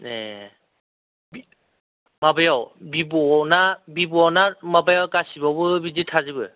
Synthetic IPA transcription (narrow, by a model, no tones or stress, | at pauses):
ne | bi | mabajawbibɔnabibunamabajawkasibabɯbizitʰazibɯ